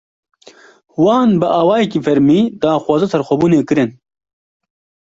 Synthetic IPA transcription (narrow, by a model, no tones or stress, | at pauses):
waːnbɨʔaːwaːjekiːfɐɾmiːd̪aːxʷwaːzɐsɐɾxʷɐbuːneːkɨɾɨn